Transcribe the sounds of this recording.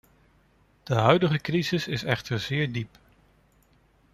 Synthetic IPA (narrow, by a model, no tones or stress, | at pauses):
d̥əɦœɥdəχəkrizɪsɪsɛχtəɹzɪːɹdip